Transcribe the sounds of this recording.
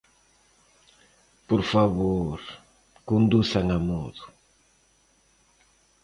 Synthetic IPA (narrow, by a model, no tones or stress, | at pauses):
poɾfaβoɾ | kund̪usaŋamoðʊ